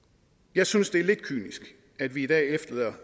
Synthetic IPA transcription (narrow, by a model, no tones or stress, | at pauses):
jɑ̈ɪsynsd̥e̝æɐle̝d̥̚kʰy̰ːnisɡ̥ | æd̥ʋiːd̥ɛ̰ːefd̥ɐleðˠɐ